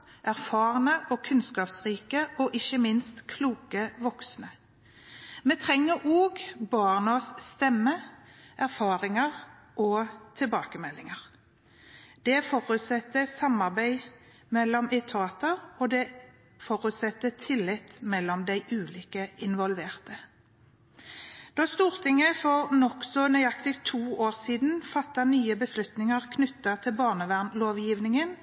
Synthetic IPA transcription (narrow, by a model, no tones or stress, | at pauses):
ʔæʁfɑːʁənəʔɔkʰʉnskɑːpsʁiːkəɔʔɪçəmɪnst̪kʰluːkəʋɔksnə | meːt̪ʰʁɛŋːəɾʔoːɡbɑʁnɔsst̪ɛmːəʔæʁfɑːʁɪŋɑʁ | ʔɔt̪ʰɪlbɑːkəmɛlːɪŋəʁ | d̪̥ɛfɔʁʉt̪sɛt̪ːəsɑmɑʁbæɪ | mɛlːɔmɛt̪ʰɑːt̪əʁɔd̪ɛ | fɔʁʉt̪sɛt̪ːət̪ʰɪlːɪt̪mɛlːɔmd̪æɪʔʉːliːkəɪnʋɔlʋeːʁt̪ə | d̪̥ɑːst̪uːʁt̪ʰɪŋəfɔʁnɔksɔnœʏɑkt̪ɪkt̪ʰuːoːʁsiːd̪n̩fɑt̪ːɑnyːəbəslʉt̪nɪŋɑʁkʰnʉt̪ːɑt̪ʰɪlbɑːʁnəʋæʁnloːʋjiːʋnɪŋən